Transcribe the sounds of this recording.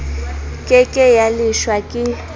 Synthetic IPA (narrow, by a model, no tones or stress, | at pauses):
kʼɛkʼɛjaliʃwakʼɪ